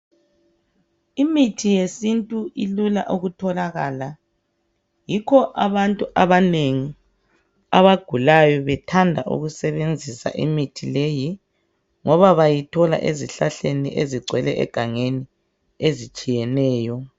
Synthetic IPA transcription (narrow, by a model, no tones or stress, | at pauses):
imitʰijesintʼuʔilula̰ʔuɣutʰɔlaɣaːla | jikʰɔʔaβantʼuʔaβaneŋi | aβaɡ̥ʱulajɔβɛtʰandʱa̰ʔṵɣusɛβend͡zʱisa̰ʔḭmitʰileji | ŋɔβaβajitʰɔla̰ʔeziɬaɬenḭʔeziɡ͡ǀʱwɛlɛʔɛ̰ɡ̥ʱaŋeni | ezit͡ʃʼijɛnɛːjɔ